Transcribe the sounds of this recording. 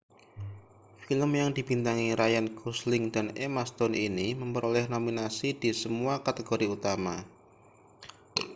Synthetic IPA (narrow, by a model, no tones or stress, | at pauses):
filəmjaŋdibint̪aŋiɾajankuslɪŋdanemast̪ɔniniməmpəɾolɛhnominasidisəmuakat̪eɡoɾiut̪ama